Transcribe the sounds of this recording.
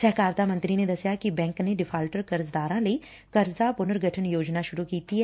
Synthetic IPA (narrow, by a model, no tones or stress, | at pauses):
sɛɦkaːɾt̪aːmɐ̃nt̪ɾined̪ɐsjakibɛ̃ːŋkneɖɪpʰaːlʈəɾkɐɾzd̪aːɾãləi | kɐɾzapʊnəɾɡʱəʈʰənjoːd͡ʒnaʃʊɾukiːt̪iɦɛː